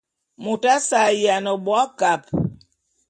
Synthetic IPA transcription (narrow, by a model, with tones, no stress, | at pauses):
mu˨ta˦sa˨ja˨nə˨ɓwa˦ka˨p̚